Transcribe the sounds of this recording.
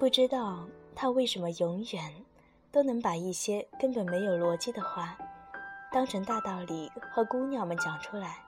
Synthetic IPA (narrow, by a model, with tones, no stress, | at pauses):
pu˥˩ʈ͡ʂɻ̩˥t̪ɑ˥˧ʊt̪ʰa˥we˥˩ɪʂə˧˥nmə˧jʊ˧˥ŋɥɛ˨˩˦n | t̪o˥ʊnɤ˧˥ŋpa˨˩i˥˩ɕjɛ˥kə˥npə˨˩nme˧˥ɪjo˨˩ʊlwɔ˧˥t͡ɕi˥˩d̪ə˨xwa˥˩ | t̪ɑ˥ŋʈ͡ʂʰɤ˧˥ŋt̪a˥˧t̪ɑ˥˩ʊli˨˩xwɔ˥˩ku˥njɑ˥˩ʊmə˦nt͡ɕjɑ˨˩ŋʈ͡ʂʰu˥la˧˥ɪ